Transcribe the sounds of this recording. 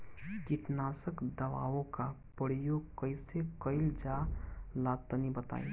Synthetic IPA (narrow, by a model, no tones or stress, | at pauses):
kiʈnasəkd̪əʋa̰õka | pəɽ̤ijokəɪsekəɪld͡ʒalat̪ːənibət̪a̰ːḭ